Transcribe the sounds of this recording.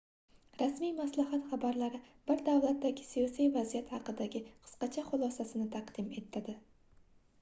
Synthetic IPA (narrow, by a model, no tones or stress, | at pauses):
ɾasmijmaslahat̪χabaɾlaɾɪb̥ɪɾd̪avlat̪̚ːaɡʲɪsijɒsijvazijat̪hɑqɨd̪aɡʲɪqʰɨ̥sqɑt͡ʃʰaχʊlˠɒsasɪnɪt̪ʰaqd̪ɪme̞t̪ʰːad̪ɪ